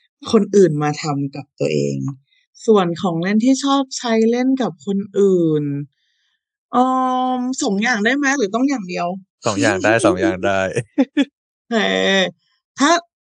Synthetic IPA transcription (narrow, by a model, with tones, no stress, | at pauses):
kʰo˧nʔɯː˨˩nmaː˧t̪ʰa˧mka˨˩p̚t̪u˧ɐʔḛː˧ŋ | su˨˩ənkʰɔː˩˦ŋle˥˩nt̪ʰiː˥˩t͡ɕʰɔː˥˩p̚t͡ɕʰa˦˥jle˥˩nka˨˩p̚kʰo˧nʔɯː˨˩˨n | ʔɔː˧˩mso˩˦ŋjaː˨˩ŋdaː˥˩jma˦˥lɯː˩˦t̪ɔ˥˩ŋjaː˨˩ŋdi˧əwsɔː˨˩˦ŋjaː˨˩ŋdaː˥˩jsɔː˩˦ŋja̰ː˨˩ŋdaː˥˩j | t͡ɕʰa˥˩j | t̪ʰaː˥˩